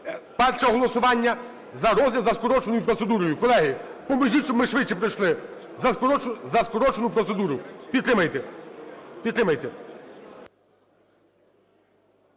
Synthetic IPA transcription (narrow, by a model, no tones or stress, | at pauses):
pɛrʃɛɔɦɔlˠɔsʊʋɑnʲːɐ | zɐɾɔzʲlʲɐzɐskɔɾɔt͡ʃenʊjupɾɔt̪sed̪uɾɔjʊkɔlˠɛɦipɔmɐʒit͡ʃɔmɪʃʋɪt͡ʃːipɾɪjʃlˠɪ | zɐɔzɐskɔɾɔt͡ʃenʊpɾɔt̪sed̪uɾʊpʲid̪t̪ɾɪmɐjt̪e | pʲid̪t̪ɾɪmɐjt̪ɛ